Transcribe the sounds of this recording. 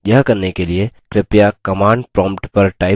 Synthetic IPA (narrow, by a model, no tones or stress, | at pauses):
jɐɦkɐɾnekeliekɾɪpjakɐmãːɳɖpɾɔ̃ːmpʈpɐɾʈaːɪ